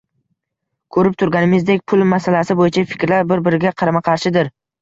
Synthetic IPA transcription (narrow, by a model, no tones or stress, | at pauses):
kʰɵɾɪp̚t̪ʰʊɾɡʲanɪmɪzd̪ekʲpʰʊlˠmasalasɪbojɪt͡ʃʰafɪ̥kʲɾlaɾbɪɾbɪɾɪɡʲaqʰɑɾamaqʰɑɾʃɪd̪ɪɾ